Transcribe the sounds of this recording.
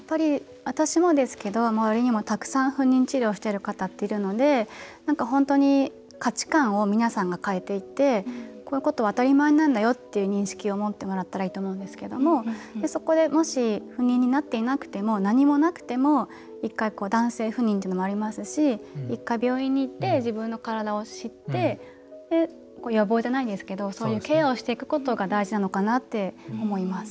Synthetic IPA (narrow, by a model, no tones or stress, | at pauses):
jjapːaɾʲi | βat̪aɕimo̞d̪e̞sɨ̥ke̞d̪o̞maβaɾʲiɲ̟imo̞t̪akɯ̟̥sãɰ̃ɸɯ̟̃ɲ̟ʲːĩɲ̟t͡ɕiɾʲo̞ːɕi̥t̪eɾɯ̟kat̪at̪ːe̞iɾɯ̟no̞d̪e̞nãŋkaɦõ̞nt̪o̞ɲ̟i | kat͡ɕi̥kãɰ̃o̞mʲinasãŋɡakae̞t̪e̞it̪e̞ko̞ːɯ̟ko̞t̪o̞βaːt̪aɾʲimaeɲinãnd̪ajo̞t̪ːe̞jɯ̟ːɲ̟ĩɕi̥kʲio̞mo̞t̪ːe̞mo̞ɾat̪ːaɾaiːt̪o̞mo̞ɯ̃nd̪e̞sɨ̥ke̞d̪o̞mo̞d̪e̞so̞ko̞d̪e̞mo̞ɕiɸɯ̟ɲ̟ːĩɲ̟ːinat̪ːe̞inakɯ̟̥t̪e̞mo̞naɲ̟imo̞nakɯ̟̥t̪e̞mo̞ | ikːaiko̞ːd̪ãɰ̃se̞ːɸɯ̟ɲ̟ːĩt̪eiːnomo̞aɾʲimasɨɕiikːaibʲjo̞ːĩɲ̟ːiːt̪ːe̞ʑibɯ̟̃nːo̞kaɾad̪ao̞ɕit̪ːe̞ | d̪̥e̞ | koːjo̞bo̞ːʑd͡ʑanaid̪esɨ̥ke̞d̪o̞so̞ːjɯ̟ːke̞ːaoɕi̥t̪e̞ikɯ̟̥ko̞t̪o̞ɡad̪aiʑinano̞kanat̪ːe̞o̞mo̞imasɨ̥